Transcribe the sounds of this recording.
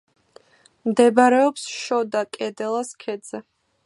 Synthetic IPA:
md̪ɛbɾɛɔpsʃɔd̪akʼɛd̪ɛlˠaskʰɛd̪z̥ɛ

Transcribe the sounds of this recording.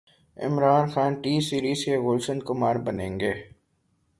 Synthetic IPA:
ɪ̰mɾaːnxaːnʈiːsiːɾiːzkeɣʊlsə̃nd̪kʊmaːɾbɐnḛ̃ːŋɡeː

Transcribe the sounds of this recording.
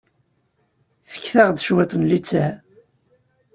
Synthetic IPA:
θə̥kːθæʁd̪əʃwæt̪ˤənlit͡sːæ

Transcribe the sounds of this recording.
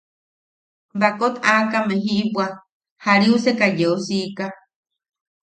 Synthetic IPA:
bakot̪akameɦiʔpʷwa | haɾiusekajeosika

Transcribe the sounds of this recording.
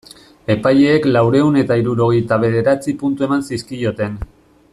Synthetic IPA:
e̞paje̞ːklawɾe̞une̞t̪aiɾuɾo̞ɣ̞ejt̪aβ̞e̞ðe̞ɾat͡sipunt̪ue̞mansiskio̞t̪e̞n

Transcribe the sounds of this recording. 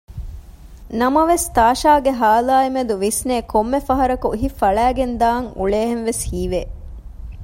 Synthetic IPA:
nɐmɐʋest̪aːʃaːɡeɦaːlaːimed̪uʋisneːkomːefɐɦɐɾɐkuiɦifɐɭæːɡend̪aːŋṵɭeːɦenʋeshiːʋeː

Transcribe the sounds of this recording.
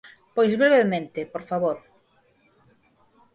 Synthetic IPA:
pojzβɾeβemẽnt̪ɪpoɾfaβoɾ

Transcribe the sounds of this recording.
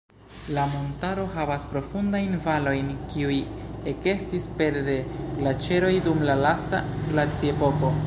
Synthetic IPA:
lamo̞ntaɾo̞ɦavaspɾo̞fundajnvalo̞jnkiuje̞ke̞stispe̞ɾde̞lat͡ʃe̞ɾo̞jdumlalasta̰lat͡siepo̞ko̞

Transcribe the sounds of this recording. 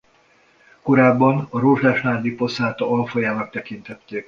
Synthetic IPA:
ko̞ɾaːbːɒnɒɾoːʒlaːʃnaːd̪ipo̞saːt̪ɒɒlfɒjaːnɒk̚t̪ɛkint̪ɛt̪ːeːk

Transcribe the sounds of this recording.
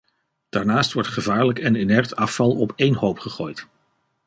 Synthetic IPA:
d̥aːɹnaːstʋɔɹtχəvaːɹləkɛnenɛɹtɑfɑlˠɔpejnɦowpχəχoːjt

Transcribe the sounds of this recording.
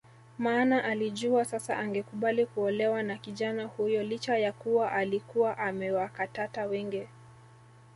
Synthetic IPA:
maːnaʔaliʄuasasa̰ʔaŋɡɛkuɓalikuɔlɛwanakiʄanahujɔlit͡ʃajakuwaʔalikuwaʔamɛwakatatawɛŋɡi

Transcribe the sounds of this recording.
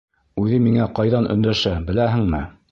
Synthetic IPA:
ʉðɘmiŋæqɑjðɑnʔɵ̰̆nd̪æʃæbɘ̆læɦɘ̆ŋmɘ

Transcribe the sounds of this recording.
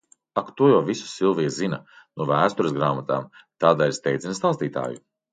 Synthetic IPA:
akt̪uɔjawvisu̥silˠviɛzinɐ | nuɔvæːst̪uɾəsɡɾaːmat̪aːmt̪aːd̪aːiɾst̪ɛjd̪zinst̪aːst̪iːt̪a̰ːju

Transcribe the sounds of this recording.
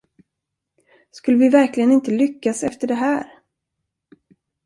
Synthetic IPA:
skɵlːəvɪvæɾklɪɡənɪnt̪əlʏkːasɛft̪əɖɛɦæːɾ

